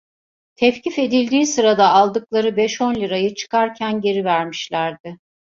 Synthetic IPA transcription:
t̪ʰɛfcʰife̞d̪ilʲd̪iːsɯɾad̪aːlˠd̪ɯklˠaɾɯbɛʃo̞nlʲiɾajɯt͡ʃʰɯ̥kaɾcʰænɟe̞ɾivæɾmiʃlʲæɾd̪ɪ

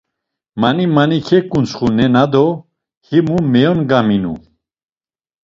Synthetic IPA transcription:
manimanikʰɛkʼunt͡sχunɛnad̪ɔ | himumɛjɔnɡaminṵ

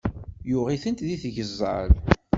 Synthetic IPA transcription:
jʊʁiθənt̪ðiθʝəzˤːɑ̰l

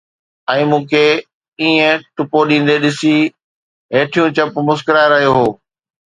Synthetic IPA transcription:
ɛ̃ːmũːkʰe | iːə̃ʈʊpoɗĩːn̆d̪eɗɪsi | ɦeːʈʰijũt͡ɕɐpmʊskɾaːɪɾɐɦijoɦoː

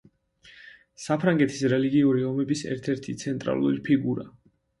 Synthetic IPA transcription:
sapʰɾaŋɡɛt̪ʰi̥sɾɛliɡiuɾiɔmɛbisɛ̰ɾt̪ʰɛɾt̪ʰit̪sʰɛnt̪ʼɾa̰lˠṵɾipʰiɡuɾa

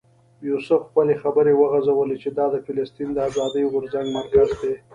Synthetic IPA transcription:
jusəfxpəlexabəɾewəɣazawəlet͡ʃed̪ɑd̪əfɪlɪst̪ind̪əazɑd̪əjɣʊɾzaŋɡmaɾkazd̪e

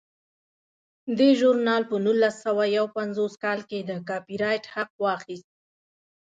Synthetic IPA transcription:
d̪eʒʊɾnɑlpənulːasawajawpanzoskɑlked̪əkɑpiɾɑjʈhaq̚wɑxist̪̚

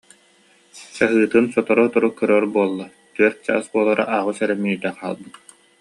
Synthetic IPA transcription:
saɦɯːt̪ɯnsɔt̪ɔɾɔɔt̪ɔɾukœɾœːɾbuɔlˠːa | t̪yœɾt̪̚t͡ɕa̰ːsbuɔlˠɔɾa̰ʔaːʁusɛɾɛmːid̪ɛqa̰ːlˠbɯt̪

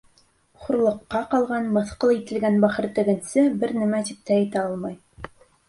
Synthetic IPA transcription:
χuɾlˠɤ̆qːɑqɑlˠʁɑnmɤ̆θqɤlˠit̪ɘ̆lɡænbæχɤ̆ɾt̪ɘ̆ɡɘ̆nsɘbɘɾnæ̆mæt̪ip̚t̪æːt̪æɑlˠmɑj

